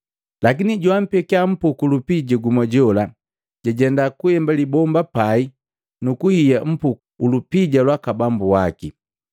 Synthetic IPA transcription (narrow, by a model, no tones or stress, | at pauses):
lak̬iniɟuam̩pɛkiam̩pukulupiɟaɡumɔɟɔla | ɟaɟɛndakuhɛmbalibɔmbapai | nukuhijam̩pukuːlupiɟalwakabambuwaki